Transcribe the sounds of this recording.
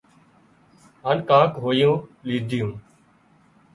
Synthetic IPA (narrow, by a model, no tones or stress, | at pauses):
ɦaːnkãːkɦoːjũːliːd̪ʱjũː